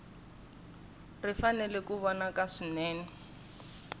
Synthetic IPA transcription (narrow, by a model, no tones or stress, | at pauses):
rifanɛlɛkuβɔnakaʂinɛːnɛ